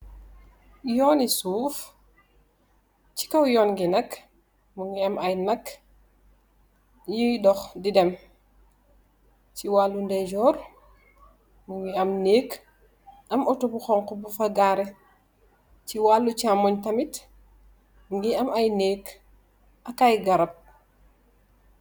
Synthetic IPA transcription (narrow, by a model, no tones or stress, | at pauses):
jɔːnisuːf | ci̥kɐwjɔːnŋɡinɐk | muŋɡiɐmɐjnɐk | jidɔxdidɛm | ciwalːundɛɟɔːɾ | muŋɡiɐmneːk | ʔɐmɔtobuxɔŋkɔbufɐɡaːɾɛ | ciwaːlːucamɔɲtɐmit | ŋɡiɐmɐjneːk | ʔɐkajɡɐɾɐp̚